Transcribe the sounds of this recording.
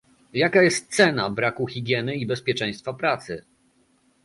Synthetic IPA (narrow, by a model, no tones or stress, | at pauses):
jakajɛst̪̚t̪sɛnabɾakuxʲiɡʲjɛnɘibɛspʲjɛt͡ʂɛ̃j̃st̪fapɾat̪sɘ